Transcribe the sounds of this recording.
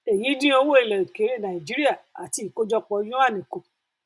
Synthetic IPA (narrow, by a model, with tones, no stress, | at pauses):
e˨ji˨˦dĩ˦o˧wo˦i˨lɔ˨i˨ke˨˦ɾe˦˨nã˨ĩ˨d͡ʒi˨˦ɾi˦a˦˨a̰˨ti˨i˨ko˦d͡ʒɔ˧k͡pɔ˧˦jõ˦a˦˨nĩ˨ko˨